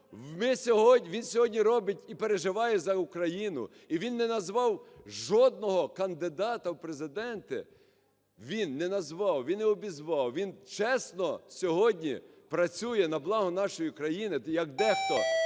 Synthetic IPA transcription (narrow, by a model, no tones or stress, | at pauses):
wmɪsʲɔɦɔʋʲinsʲɔɦɔdʲnʲiɾɔbɪtʲipeɾeʒɪʋɑjɛzɐukɾɐjinʊ̰ | iʋʲinːɛnɐzʋɑwʒɔd̪̚nɔɦɔkɐnd̪ɪd̪ɑt̪ɐwpɾezɪd̪ɛnt̪ɪ̰ | ʋʲinːɛnɐzʋɑwʋʲinɛɔbʲizʋɑwʋʲint͡ʃɛsnɔsʲɔɦɔdʲnʲipɾɐt͡sʲujɛnɐblˠɑɦʊnɑʃɔjikɾɐjinɪjɐkd̪ɛxt̪ɔ